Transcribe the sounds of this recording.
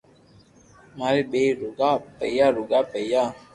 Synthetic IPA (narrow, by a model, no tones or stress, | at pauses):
maɾiɓeɾuɡapɛ̰jaɾuɡapɛja